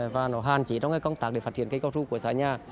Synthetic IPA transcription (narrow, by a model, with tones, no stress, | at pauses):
vaː˨˩nɔ˨˦ɦaː˨˩nt͡ɕi˨˦ɔ˧ŋ͡mkaː˧˦kɔ˧wŋ͡mt̪aː˦˥ɗe˧˩faː˧˥t̚t͡ɕḭ˧˨ənkə˧jkɔ˧zu˧ku˧˩əsa̰ː˧˦ɲaː˨˩